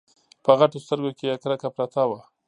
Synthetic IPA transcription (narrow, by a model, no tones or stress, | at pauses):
pəɣaʈost̪əɾɡokejakɾakapɾat̪awa